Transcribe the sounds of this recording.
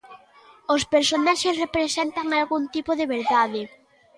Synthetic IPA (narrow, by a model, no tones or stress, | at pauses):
ospeɾsonaʃesrepɾesent̪aŋalɣunt̪ipoðeβeɾðaðe